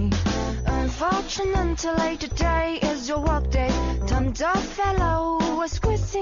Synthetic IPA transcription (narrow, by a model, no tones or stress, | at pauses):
ʌ̃nfɔɹt͡ʃɨnəntʰəleiɾɨdeɪɪzjə˞wɜ˞k̚d̥eɪtʰʌ̃mdɔ̥fɛloʊwʌz̥kʰwɪsɪ̃